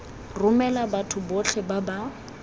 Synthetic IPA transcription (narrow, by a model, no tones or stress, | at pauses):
rʊmɛlabatʰʊboɬʰɛbaba